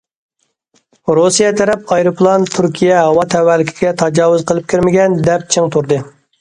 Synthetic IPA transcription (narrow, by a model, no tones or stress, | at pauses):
ɾusijɛt̪ʰɛɾɛp̚ɑjɾɨpʰlˠɑnt̪ʰuɾkʲʰijɛɦɑwɑt̪ʰɛwːælːɪkʲʰi̥ɡʲɛt̪ʰɑd͡ʒɑːwʊzqʰəlˠɨp̚kʲʰiɾmɪɡʲɛnd̪ɛp̚t͡ʃʰɨŋt̪ʰuɾd̪ɨ